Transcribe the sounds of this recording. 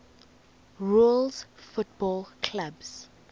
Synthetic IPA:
ɹulzfʊt̚bɔlkʰlabz̥

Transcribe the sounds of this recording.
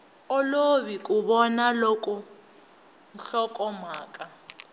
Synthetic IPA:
ɔloβikʼuβɔnalɔkʼɔ | n̩ɬɔkʼɔmaːkʼa

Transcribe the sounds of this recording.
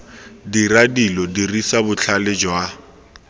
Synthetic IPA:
diradilɔdirisabʊt͡ɬʰalɪd͡ʒwa

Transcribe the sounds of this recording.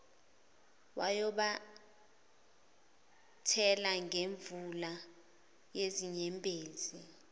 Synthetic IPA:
wajɔɓa | tʰɛlaŋeɱvula | jeziɲɛmpʼeːzi

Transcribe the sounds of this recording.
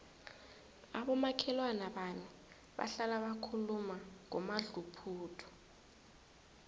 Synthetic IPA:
aɓɔmakʰɛlwanaɓani | ɓa̰ɬalaɓakʰulumaŋɔ̰maɮupʰuːtʰɔ̥

